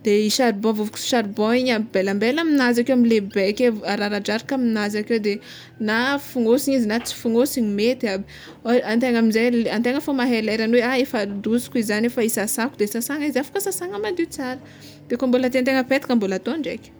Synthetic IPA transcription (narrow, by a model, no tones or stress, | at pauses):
d̪̥eiʃaɾibɔ̃vuvuki̥si̥ʃaɾbɔ̃iɲabelambelaminazakewamilebekeaɾaɾaɖ͡ʐaɾikaminazakewd̪e | nafuŋosiɲizinat͡si̥fuŋosiɲimet̪a | ant̪eŋamizajlant̪eŋəfomaɦeleɾanweaefad̪usi̥kizanefaisasakud̪esasaŋizafḁkəsasaŋəmad̪it͡saɾə̥ | d̪̥ekambolat̪ent̪eŋəpet̪ikambolat̪onɳɖ͡ʐekʲi̥